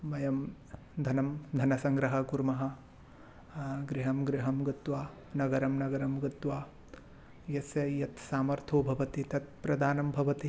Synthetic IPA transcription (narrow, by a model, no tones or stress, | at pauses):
mɐjɐm | d̪ʱɐnɐmd̪ʱɐnɐsɐŋɡɾɐɦɐkuɾmɐɦɐ̆ | ɡɾiɦɐmɡɾiɦɐmɡɐt̪ʋaː | nɐɡɐɾɐmnɐɡɐɾɐmɡɐt̪ʋaː | jɐsjɐjɐt̪saːmɐɾt̪ʰoːbʱɐʋɐt̪it̪ɐt̪̚pɾɐd̪aːnɐmbʱɐʋɐt̪i